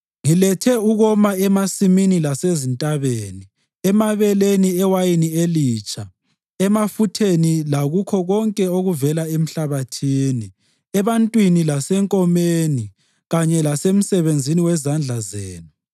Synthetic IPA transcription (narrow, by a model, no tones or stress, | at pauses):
ŋilɛtʰɛuɣɔmaɛmasiminilasezintʼaβeːni | ɛmaβɛleniɛwajinieliːt͡ʃʼa | ɛmafutʰenilaɣukʰɔɣɔŋkʼɛoɣuvɛlaem̩ɬaβatʰiːni | ɛβantʼwinilasɛŋkʼɔmeːni | ɣaɲɛlasem̩sɛβend͡zʱiniwɛzand͡ɮʱazeːnu